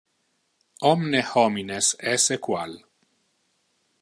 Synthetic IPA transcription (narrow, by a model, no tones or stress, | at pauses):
ɔmnehɔminesɛsekwal